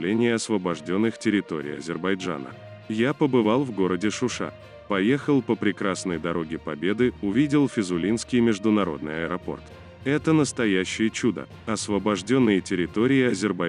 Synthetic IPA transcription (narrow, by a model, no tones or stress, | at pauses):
lʲenʲɪjəɐsvəbɐʐdʲo̞nːɨxtʲɪɾʲɪt̪o̞̰ɾʲɪ̰jɐ̰zʲɪrbɐjʐa̰nə̰ | japəbɨvalˠvɡo̞ɾədʲɪʂʊʂa̰ | pɐjexəlˠpəpɾʲɪkɾasnəjd̪ɐɾo̞ɡʲɪpɐbʲe̞d̪ɨʊvʲidʲɪlˠfʲɪzʊlʲinskʲɪjmʲɪʐd̪ʊnɐɾo̞̰d̪̚nɨjɐɪɾɐpo̞̰rt̪ | ɛt̪ənəst̪ɐjæɕːɪjət͡ɕud̪ə̰ | ɐsvəbɐʐdʲonːɨjətʲɪɾʲɪt̪o̞ɾʲɪɪɐzʲɪrbɐ